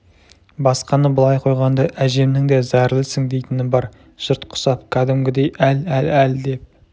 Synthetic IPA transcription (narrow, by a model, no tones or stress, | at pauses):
bɑsqɑnəbəlˠɑjqʰo̞jʁɑnd̪ɑʔæʒe̞mnɪŋd̪ezæɾlˠɪsɪŋd̪e̞jt̪ɪnɪbɑɾ | ʒ̥ʊɾt̪qʰʊ̥sɑp̚kʲʰæd̪ɪmɡʲɪd̪e̞jʔælælæld̪e̞p̚